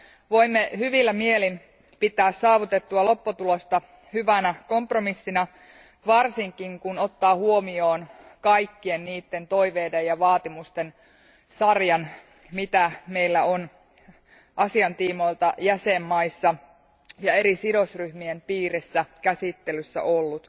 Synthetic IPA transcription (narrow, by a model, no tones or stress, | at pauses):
ʋo̞imːehyʋilːæmielin | pit̪ˑæːssɑːʋut̪et̪ːuɑlo̞pːot̪ulost̪ɑ | hyʋænæko̞mpromisːinæ | ʋɑrsiŋkiŋkuno̞t̪ːɑːhuomio̞ːnkɑikːie̞nniːt̪ːe̞nt̪o̞iʋeːdejɑʋɑːt̪imust̪en | sɑrjɑn | mit̪æmeilːæon | ʔɑsiɑnt̪iːmo̞ilt̪ɑjæsemːɑisːɑ | jɑe̞ɾisidosryhmiempiːresːækæsit̪ːelysːæ̰ʔolːut̪